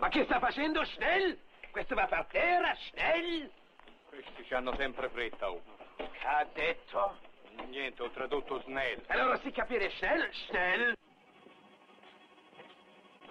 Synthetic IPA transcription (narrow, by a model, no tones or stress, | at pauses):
makːɪst̪afːat͡ʃɛnd̪oʃnɛlkwest̪ovapːart̪ɛːɾaʃnɛl | kwest̪it͡ʃanːosɛmpɾefɾet̪ːaukad̪ːet̪ʰːonjɛnt̪eɔt̪ːɾad̪ut̪ːoznɛlalːoːɾasikːapiːɾeʃnɛlʃnɛl